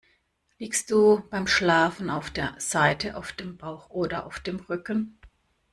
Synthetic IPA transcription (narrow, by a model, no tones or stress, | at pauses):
liːkst̚d̥uːb̥aɪmʃlaːfn̩aʊfd̥eːɐz̥aɪtʰəʔa̰ʊfd̥eːmb̥aʊxʔoːdɐʔa̰ʊfd̥eːmʁʏkn̩